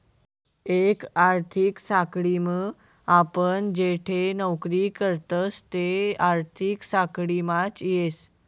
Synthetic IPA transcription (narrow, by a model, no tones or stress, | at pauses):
ekaɾt̪ʰiksakɽimə | apəɳd͡ʑeʈʰenəwkɾikəɾt̪əst̪eaɾt̪ʰiksakɽimat͡sjes